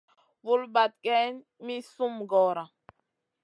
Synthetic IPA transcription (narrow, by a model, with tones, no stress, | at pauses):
vu˦lba˨t̪̚kɛ˦n | mi˦su˦mɡɔː˨ɾa˨